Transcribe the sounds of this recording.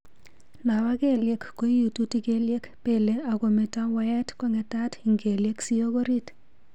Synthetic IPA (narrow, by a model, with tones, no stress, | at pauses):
na˨wa˦ke˦lje˨˦kːo˦i˦ju˨tu˦ti˦ke˦lje˦kpe˦˨le˨a˨ɡo˨me˨ta˦wa˦jɛ˦tkɔ˦ŋɛ˨ta˦ti˨ŋɡe˨lje˦ksi˦o˦ɡo˦ɾi˦t